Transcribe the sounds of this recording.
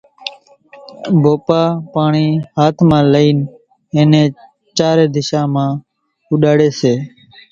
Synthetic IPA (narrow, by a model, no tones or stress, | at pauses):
bʱoːpaːpaːɳiːhaːt̪ʰmãːləiːn | eːnẽː | t͡ʃaːɾeːd̪ɪʃãːmãː | ɦʊɗaːɽeːseː